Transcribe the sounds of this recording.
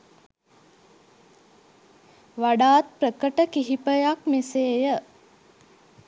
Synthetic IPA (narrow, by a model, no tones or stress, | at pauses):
ʋaɖaːt̪̚pɾəkəʈəkiɦipəjakmeseːjə